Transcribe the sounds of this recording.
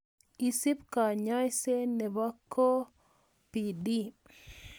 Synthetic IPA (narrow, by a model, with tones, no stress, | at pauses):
i˨si˦pka˨ɲa˦jse˦ne˨ba˦kʰːo˦ | pi˨di˦